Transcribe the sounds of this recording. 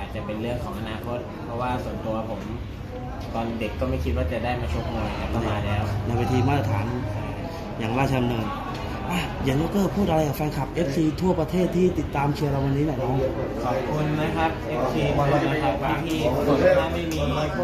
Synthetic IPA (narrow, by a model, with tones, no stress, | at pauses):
aː˨˩t̪̚t͡ɕa˨˩pe˧nɾɯ˥˩əŋkʰɔː˩˦ŋʔa˧naː˧kʰo˦˥t̪̚pʰɾɔ˦˥waː˥˩su˨˩˦nt̪u˧ɐpʰo˩˦m | kɔː˧nde˨˩kːɔː˥˩ma˥˩jkʰi˦t̪̚waː˥˩t͡ɕa˨˩daː˥˩jmaː˧t͡ɕʰo˦˥p̚mɯ˧a˨˩kʰa˧˥a˥˧˨maː˧˩lɛː˦˥wna˧jweː˧t̪ʰiː˧maː˥˩ɾa˧t̪ʰaː˩˦n | jaː˨˩ŋɾaː˥˩t͡ɕʰa˧mnɤː˧n | ʔa˧˩ | je˨˩˦nlo˦˥kːɤː˥˩pʰuː˥˩ʔa˧ɾa˧jka˨˩fa˧jkʰa˨˩p̚ʔe˦˥p̚siː˧t̪ʰu˥˩ɐpɾa˧t̪ʰeː˥˩t̪ʰːiː˥˩t̪i˨˩t̪ːaː˧mt͡ɕʰi˧ɐɾa˧wa˧nːiː˦˥naː˨˩jnɔː˦˥ŋkʰɔː˨˩p̚kʰu˧nːa˦˥kʰa˦˥p̚ʔe˦psiː˧a˧˩na˦kʰa˦˥˩kaː˧˨˦iː˥˧˩o˧˦˧aː˥˩ma˥˩jmiː˧a˧˦